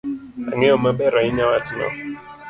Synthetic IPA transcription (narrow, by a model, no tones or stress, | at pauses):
a̰ŋeɔmabɛɾaiɲawatinɔ̰